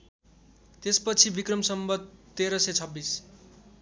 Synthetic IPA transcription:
t̪espʌt͡sʰibikrʌmsʌmbʌd̪̚t̪eɾʌset͡sʰʌbːis

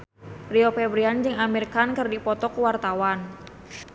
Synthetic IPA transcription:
riɔpɛbɾiand͡ʒɨŋamirkankɨrdipɔt̪ɔkuwart̪awan

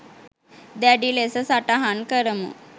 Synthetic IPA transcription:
d̪jaɖilesəsaʈaɦankəɾəmṵ

